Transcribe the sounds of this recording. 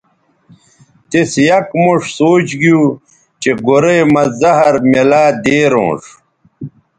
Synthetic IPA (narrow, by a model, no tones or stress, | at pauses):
t̪esjɐkmuʂsoːt͡ɕɡiu | t͡ɕeɡoɾeːmɐzɐɦɐɾmelaːd̪eːɾõ̰ːʂ